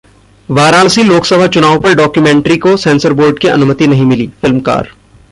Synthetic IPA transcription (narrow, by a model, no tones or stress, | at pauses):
ʋaːɾaːlsĩloːksəbʱat͡ʃʊnaːwpɐɾɖɔːkjumẽːɳʈɾikosɛ̃ːnsəɾboːɾɖkiɐ̰nʊmət̪inɐɦĩmɪliːfɪlmka̰ːɾ